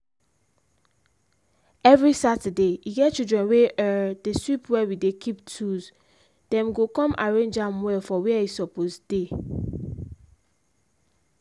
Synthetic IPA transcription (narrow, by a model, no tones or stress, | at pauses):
ɛvɹisatədeiɡɛt̚t͡ʃildɹɛ̃nweʔɛd̥eswipwɛwidekʰiptʰuz | d̥ɛ̃mɡokɔ̃maɹẽnd͡ʒãmwɛlfɔwiɛisɔposd̥e